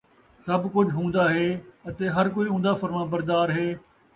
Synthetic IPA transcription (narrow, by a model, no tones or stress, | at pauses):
sɐbʱkʊd͡ʒʱɦũːn̆d̪aɦeːɐt̪eːɦɐɾk̬oiːɦũːnd̪afɐɾmãbɐɾd̪aːɾɦeː